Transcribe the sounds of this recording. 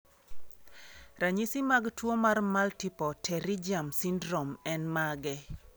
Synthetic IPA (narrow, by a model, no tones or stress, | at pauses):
ɾaɲisimaɡtwomarmaltipɔtʰɛɾid͡ʒamsindɾɔmɛnmaɡɛ